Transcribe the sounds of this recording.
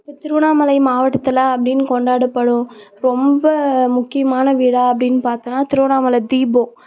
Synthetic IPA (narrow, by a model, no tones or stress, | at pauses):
pɐt̪ɪɾɯʋɐɳaːmɐlɐɪmaːʋɐʈːɐt̪ːɐlaɐpːɐɽɪnːɯkɔɳɖaːɽɐpːɐɽʊ̃ɾɔmbɐmʊkːɪjɐmaːnɐʋiːɽaːɐpːɐɽɪnːɯpaːɾt̪ɐnːaːt̪ɪɾɯʋɐɳaːmɐlɐd̪iːbõː